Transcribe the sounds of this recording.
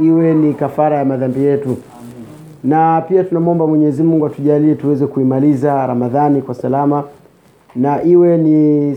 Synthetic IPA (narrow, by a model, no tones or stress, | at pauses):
iwɛnikafaɾajamaðambijɛtu | napiatunamuɔmbamwɛɲɛɛzimuŋɡuatuʄaliɛtuwɛzɛkuimalizaɾamaðanikwasalama | naʔiwɛni